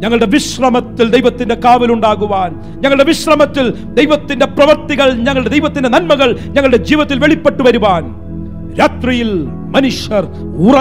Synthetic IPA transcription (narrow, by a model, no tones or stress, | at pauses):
ɲɐŋːɐɭɽe̞ʋiɕrɐmɐt̪ːild̪ejʋɐt̪ːinde̞kaːʋiluɳɖaːɣuʋaːn | ɲɐŋːɐɭɨɽe̞ʋiɕrɐmɐt̪ːil | d̪ejʋɐt̪ːinde̞prɐʋɐrt̪iɣɐɭɲɐŋːɐɭɽed̪ejʋɐt̪ːinde̞nɐnmɐɣɐɭɲɐŋːɐɭɨɽe̞d͡ʑiːʋɐt̪ːilʋe̞ɭipːeʈːuʋɐɾuʋaːn | ɾaːt̪rijil | mɐnuʂjɐr | urɐ